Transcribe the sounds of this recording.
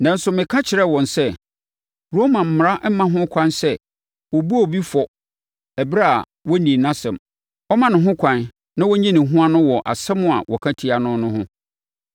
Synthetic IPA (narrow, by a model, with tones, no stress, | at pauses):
nã˨n̩˦sʊ˨mɪ̃˨kʰã˦t͡ɕʰɪ˨ɾɛ˦wɔ̃˨nsɛ˦ | ɾo˦mã˨m̩˨m˨ɾa˦m̩˦mã˦ɦʊ̃˦kʷʰã˦nsɛ˦ | wɔ˨bu˦ɔ˨bi˦fɔ˨ | æ˨bɾa˦a̰˨ | wɔ˦nĩ˨nã˦sɛ̃˨m | ɔ˦mã˦nʊ̃˨ɦʊ̃˦kʷʰã˦n | nã˦wɔ˦ɲĩ˦nɪ̃˨ɦʊ̃˦a˦nʊ̃˦wɔ˨ʔa̰˨sɛ˦mʊ̃˦a̰˨wʔɔ˨kʰã˦tʰi˨a˨nʊ̃˦nʊ̃˦ɦʊ̰̃˦